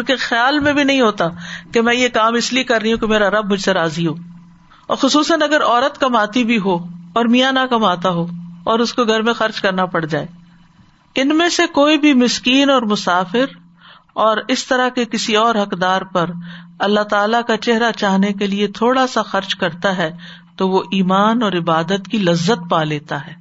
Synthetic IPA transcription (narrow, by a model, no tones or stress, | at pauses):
ʊnkexjaːlmẽbʱinɐɦĩɦoːt̪akemɛ̃ːjekaːmɪsliekɐɾːəiɦũkemeːɾaɾɐb̚mʊd͡ʒʱseɾaːziɦoː | ɔ̰ːɾxʊsuːsənɐɡəɾɔːɾət̪kɐmaːt̪ibʱiɦoɔːɾmijanakɐmaːt̪aɦoːɔːɾʊskoɡʱɐɾmẽxɐɾt͡ʃkɐɾnapɐɽd͡ʒaːeː | ɪnmẽsekoːibʱimɪskiːnɔːɾmʊsaːfɪɾ | ɔːɾɪst̪ɐɾakekɪsiɔːɾɦɐkd̪aːɾpɐɾɐlːaɦt̪aːlakat͡ʃɛɦɾat͡ʃaːɦnekeliet̪ʰoːɽasaxɐɾt͡ʃkɐɾt̪aɦɛ | t̪oʋoʔiːmaːnɔːɾɪbaːd̪ət̪kilɐzːət̪̚paːleːt̪aɦɛː